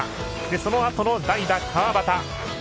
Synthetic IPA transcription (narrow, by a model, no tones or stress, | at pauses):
d̪e̞so̞no̞at̪ono̞d̪aid̪akʰaβabat̪a